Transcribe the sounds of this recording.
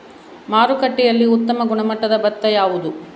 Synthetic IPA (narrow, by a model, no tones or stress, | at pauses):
maːɾukɐʈːijɐlːiut̪ːɐmɐɡuɳɐmɐʈːɐd̪ɐbɐt̪ːɐjaːʋud̪u